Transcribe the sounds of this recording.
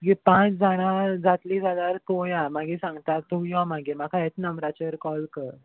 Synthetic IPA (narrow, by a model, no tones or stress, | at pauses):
ɡipãt͡sd͡zʱaɽ̃ad͡zat̪liːd͡zʱad̪aɾt̪ojamaɡisãŋɡt̪at̪ujɔmaɡem̤akʰaɛt͡snəmɾat͡ɕəɾkɔlkəɾ